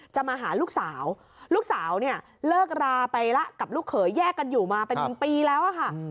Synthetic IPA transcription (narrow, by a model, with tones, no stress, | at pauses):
t͡ɕa˨˩maː˧ɦaː˩˦luː˥˩k̚saː˩˦w | luː˥˩k̚saː˩˦wni˥˩ɐ | lɤː˥˩k̚ɾaː˧pa˧jla˦˥ʔka˨˩p̚luː˥˩kʰːɤː˩˦jːɛː˥˩kːa˧njuː˨˩maː˧pe˧npiː˧lɛː˦˥wʔa˨˩kʰa˥˩